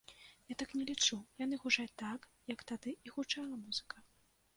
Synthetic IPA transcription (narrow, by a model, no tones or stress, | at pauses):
jat̪aknʲɛlʲit͡ʂujan̪ɨɣuʐalʲt̪akjɐkt̪ad̪ɨiɣut͡ʂalˠɐmuz̥ɨkɐ